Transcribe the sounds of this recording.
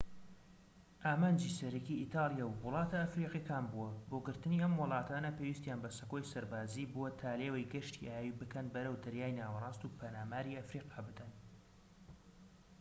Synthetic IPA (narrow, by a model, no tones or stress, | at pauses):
ʔaːmaːnd͡ʒiːsɐɾikiʔit̪ɑːlˠijaːwwʊlˠɑːt̪ɐːfɾiːqikaːnbuɐboːɡɨɾt̪ɨniːʔɐmwɨlˠɑːt̪ʰaːnɐpʰeːwiːst̪jaːnbɐsɐkojsɐɾbaːziːbuwɐt̪ʰaːleːwɐjɡɐʃt̪iʔaːjjibɨkʰɐnbɐɾəwd̪ɐɾjaːjnaːwɐrˤɑːst̪uːpʰɐnaːmaːɾiːɐfɾiːqɑːbɨd̪ɐn